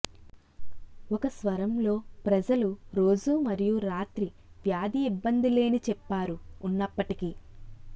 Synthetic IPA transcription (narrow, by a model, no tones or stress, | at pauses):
okɐsʋɐɾɐmlo̞ːpɾɐd͡ʒɐluɾo̞ːd͡ʒumɐɾijuɾaːt̪ɾiʋjaːd̪iːbːɐnd̪ile̞ːnit͡ʃɛpːaːɾuːnːɐpːɐʈiki